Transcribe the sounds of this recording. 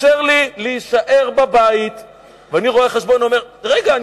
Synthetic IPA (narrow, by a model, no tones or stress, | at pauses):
eʁlileiʃaʔe̞ʁbabait̪ | veaniʁo̞eχeʃbo̞nuomeʁ | ʁeɡaːn